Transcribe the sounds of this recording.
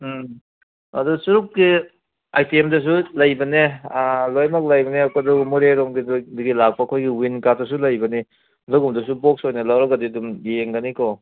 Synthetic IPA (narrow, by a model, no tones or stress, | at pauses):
ɐdusuɾup̚ɡi | ajtiemdɐs̬ulɐjbɐnelojmɐk̚lɐjbɐnekadɔɡumuɾeɾomɡidduɡilak̚paːkʰojɡiwinkatdɐs̬ulɐjbɐni | dɐɡumdɐsubok̚sojnɐlawɾɐɡɐdidumjeŋɡɐnikɔ